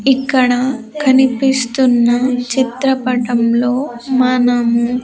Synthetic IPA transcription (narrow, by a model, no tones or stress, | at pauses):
ikːɐɽɐ | kʰɐnipist̪unːɐt͡ʃit̪ɾɐpɐʈɐmlo̞ːmɐnɐmu